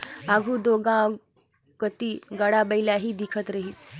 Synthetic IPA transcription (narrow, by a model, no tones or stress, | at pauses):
aɡʱuːd̪oɡã | kət̪iɡəɽabəjljaɦiːd̪ikʰət̪ɾəɦiːt͡s